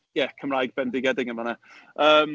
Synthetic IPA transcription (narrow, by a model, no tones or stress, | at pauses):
jɛkʰəmrajɡ̚bɛndɪɡɛdɪŋəmana | əːm